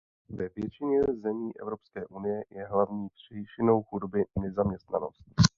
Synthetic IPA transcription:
vɛvjɛt͡ʃɪɲɛzɛmiːʔɛ̰vɾo̞pskɛːʔunɪjɛjɛɦlavɲiːpr̝̥ɛjʃɪno̞wxudobɪnɛzamɲɛst̪na̰no̞̰st̪̚

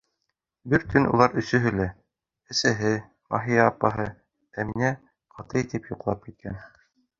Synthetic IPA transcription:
bɘɾt̪ʰɵnṵlˠɑɾɵ̆sɵ̆ɦɵ̆læ | ɘ̆sæɦɘ | mɑ̰ɦijɑːpːɑɦɤ | æminæ | qʰɑt̪ɤjt̪ipjuqlˠɑp̚kit̪̚kʰæn

